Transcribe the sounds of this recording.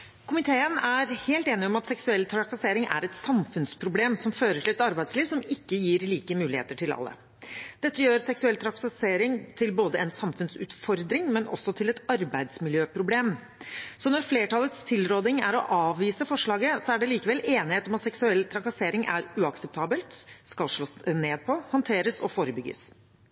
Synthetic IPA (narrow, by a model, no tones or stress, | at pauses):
kʰʊmɪt̪ʰeːənæɾheːlt̪eːnɪɔmɑt̪sɛksʉɛlːt̪ʰɾɑkɑseːɾɪŋʔæ̰ɾɛt̪sɑmfʉnspʰɾʊbleːmsɔmføːɾəʈʰɪlɛt̪ɑɾbæɪsliːʋsɔmɪkːəjiːɾliːkəmʉːlɪhḛːt̪əʈʰɪlɑ̰lːə̰ | d̪̥ɛt̪ːəjøːɾsɛksʉɛlt̪ʰɾɑkseːɾɪŋt̪ʰɪlboːd̪əɛnsɑmfʉnsʉ̰ːt̪fɔɾd̪ɾɪŋmɛnʔɔ̰sːɔt̪ʰɪlɛt̪ɑɾbæɪd̪smɪljøːpʰɾʊbleːm | sɔnɔɾfleːʈʰɑlˠət̪st̪ʰɪlɾoːd̪ɪŋæ̰ɾɔ̰ʔɑːʋʋiːsəfɔʂɭɑːɡəsɔæɖɛliːkəʋɛleːnɪheːt̪ɔmɑt̪sɛksʉɛlːt̪ʰɾɑkɑseːɾɪŋʔæ̰ɾʉɑksɛp̚t̪ʰɑːbəlt̪skɑlʂɭoːsneːd̪̚pʰɔhɑnt̪ʰeːɾəsɔfoːɾəbʏɡːə̰s